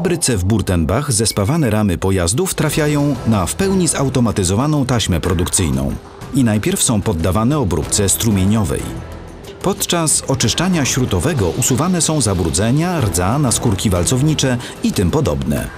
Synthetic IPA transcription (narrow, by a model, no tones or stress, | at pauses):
abɾɘt̪sɛvbuɾt̪ɛnbaɣzɛspavanɛɾamɘpɔjazd̪uft̪ɾafʲjajɔ̃w̃nafpɛwɲizawt̪ɔmat̪ɘzɔvanɔ̃w̃t̪aɕmɛpɾɔd̪ukt̪sɘjnɔ̰̃w̃ | inajpʲjɛɾfsɔ̃w̃pɔd̪ːavanɛɔbɾṵpt̪sɛst̪ɾumʲjeɲɔvɛ̰j | pɔt̪t͡ʂasɔt͡ʂɘʂt͡ʂaɲaɕɾut̪ɔvɛɡɔʔusuvanɛsɔ̃w̃zabɾud̪zɛɲaɾd̪zanaskuɾkʲivalt̪sɔvɲit͡ʂɛ | it̪ɘmpɔd̪ɔ̰bnɛ̰